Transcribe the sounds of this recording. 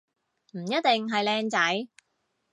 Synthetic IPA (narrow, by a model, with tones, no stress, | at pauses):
m̩˨˩jɐ˥t̪̚t̪e˨ŋɦɐ˨jlɛː˧ŋt͡sɐ˨˥j